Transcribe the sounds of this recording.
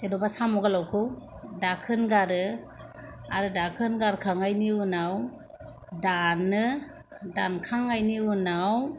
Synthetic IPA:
sedɔbasamɔɡalawkʰɯw | dakʰɯnɡaɾɯ | aɾɯdakʰɯnɡaɾkʰaŋajniunaw | danːɯ | dankʰaŋajniunaw

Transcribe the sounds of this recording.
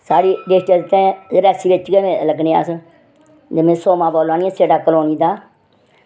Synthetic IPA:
saːɽiːɖeʈəd̪t̪ɛ̃ːɾɛːsiːʋɪt͡ʃɡɛːmẽːləɡneːa̰ːs | d͡ʒemẽːsoːmãːboːlaːniːɛ̃ːseːɖaːkəloːniːd̪aː

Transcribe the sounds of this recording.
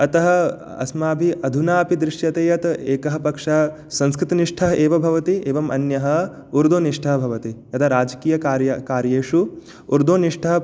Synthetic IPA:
ɐt̪ɐɦɐ̆ | ɐ̰smaːbʱiʔɐd̪ʱunaːpid̪ɾɪʂjɐt̪eːjɐt̪eːkɐɦɐpɐkʂɐɐ | sɐ̃nskɾɪt̪ɐniʂʈʰɐɦɐeːʋɐbʱɐʋɐt̪ieːʋɐmɐnjɐɦɐ | uɾd̪oːniʂʈʰɐɦɐbʱɐʋɐt̪iɐt̪ʰɐɾaːd͡ʒɐkiːjɐkaːɾjɐkaːɾjeːʂu | uɾd̪oːniʂʈʰɐɦɐ

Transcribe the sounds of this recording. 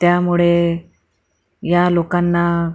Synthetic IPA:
t̪jamuɭe | jalokanːa

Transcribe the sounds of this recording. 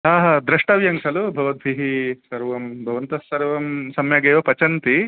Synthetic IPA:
ɦaːɦɐd̪ɾɐʂʈɐʋjɐŋsɐlubʱɐʋɐd̪̚ʋiɦisɐɾʋɐmbʱɐʋɐnt̪ɐsːɐɾʋɐmsɐmjɐɡeːʋɐpɐt͡ʃɐnt̪i

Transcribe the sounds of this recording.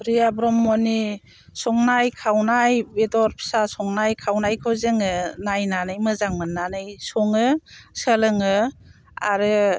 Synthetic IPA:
ɾijabɾɔmːɔni | sɔŋnajkʰawnajbedɔɾpʰsasɔŋnajkʰawnajkʰɯwzɯŋɯnajnanɯjmɯzaŋmɯnːanɯjsɔŋɯsəlɯŋɯ | a̰ɾɯ

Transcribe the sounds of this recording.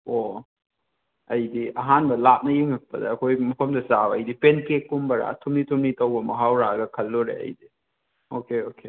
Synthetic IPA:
o | ɐjdiʔɐɦanbɐlap̚nɐjiŋɐk̚pɐdɐ̰ːkʰojmɐpʰɐmdɐsaɐjdipenkekːumbɐɾa̰tʰumnitʰumnitɐwbɐmɐɦawɾaɡɐkʰɐlːuɾḛɐ̰jdi | okeokʰe

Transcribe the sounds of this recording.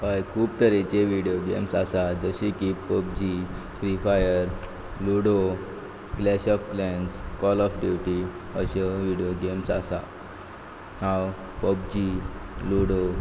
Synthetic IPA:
ajkʰuːp̚t̪əɾet͡ɕeʋiɽijoɡemsasad͡zəɕikipːəp̚d͡ʑi | fɾifajəɾ | luɽo | ɡlɛɕɔfklɛ̃nskɔlɔfɖjuʈi | əɕəʋiɽijoɡemsa̰sa̰ | hãw | pəp̚d͡ʑiluɽo

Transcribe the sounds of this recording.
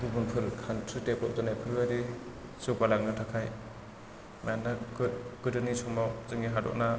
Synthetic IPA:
ɡɯbunpʰɯɾkʰantʰɯtepɔp̚danajpʰɯɾɡaɾi | supalaŋnɯtʰakʰaj | manːaɡɯɡ̥ɯdɯnisʰɔmawzɯŋiɦadɔ̰k̚na

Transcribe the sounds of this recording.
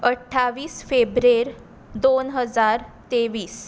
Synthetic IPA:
əʈʰːaʋiːsfebɾeɾ | d̪onɦəd͡zaɾt̪eʋiːs

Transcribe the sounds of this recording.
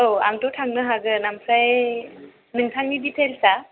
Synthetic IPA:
owa̰mtɔwʈʰaŋnəɦaɡɯnamsʰaj | mintʰaŋnibit̪ʰelsa

